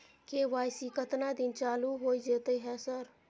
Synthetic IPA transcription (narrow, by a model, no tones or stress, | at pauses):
keʋajsikət̪nad̪int͡ʃaluɦojd͡ʒet̪əɦɛsəɾ